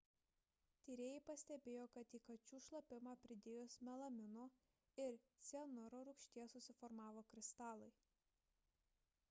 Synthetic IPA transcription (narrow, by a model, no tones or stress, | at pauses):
t̪ʲiːɾʲeːjɛɪpɐsʲt̪ʲɛbʲeːjoːkɐt̪iːkɐt͡ʃʲuːʃlˠɐpʲɪmɑːpʲɾʲɪd̪ʲeːjoːsmʲɛlˠɐmʲɪnoː | ɪɾt̪sʲɛnʊɾoːɾʊkʃʲt̪ʲiɛsʊsʲɪfɔɾmɑːʋoːkɾʲɪst̪ɑːlˠɐɪ